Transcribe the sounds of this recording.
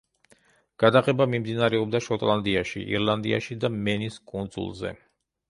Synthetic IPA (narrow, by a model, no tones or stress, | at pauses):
ɡ̥ad̪aʁɛbamimd̪inaɾɛɔb̚d̪aʃɔt̪ʼlˠand̪iaʃḭʔḭɾlˠand̪ḭa̰ʃid̪amɛniskʼund̪zṵlˠzɛ̰